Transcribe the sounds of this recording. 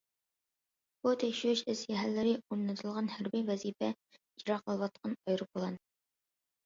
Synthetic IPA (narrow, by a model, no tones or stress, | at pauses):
b̥ut̪ʰɛkʲʃɪɪʃɪzjɛɦælːɪɾɪomnɨt̪ʰɨlˠʁɑnhæɾbijvɛzipɛ | iɾɑqəlˠwɑt̪̚qʰɑnɑjɾɨbolˠɑn